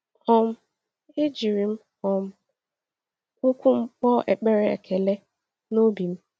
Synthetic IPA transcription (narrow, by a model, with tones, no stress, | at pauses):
ɔ˨m̩˦ | ɪ˦d͡ʒi˨ɾi˨m̩˦ | ɔ˨m̩˦ | ʊ˦kʷu˦ŋ͡m̩˦k͡pɔ˦ʔḛ˨k͡pe˦ɾe˦ḛ˨kʰe˨le˦ | no˦bi˨m̩˦